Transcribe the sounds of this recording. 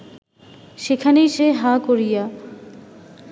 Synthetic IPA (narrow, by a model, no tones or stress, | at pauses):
ʃekʰanejʃeɦakoɾija